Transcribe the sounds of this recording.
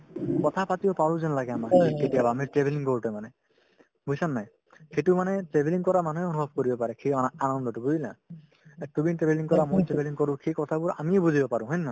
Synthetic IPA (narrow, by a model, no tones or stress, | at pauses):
kɔt̪ʰapatibɔpaɹũzɔnlaɡɛamakiketijabaːmitɹebeliŋkoɹutɔmanɛ | bujsanːaj | kejtʊmanɛtɹebʱeliŋkɔɹamanueonubʱɔb̚koɹibɔpaɹɛkʰeɔnanɔndɔtʊbuzila̰ | ɛtubintɹebeliŋkɔɹamojtɹebeliŋkɔɹʊ̃kʰekɔt̪ʰabʊɹa̰miebuzibɔpaɹʊ̃ɦɔjnːa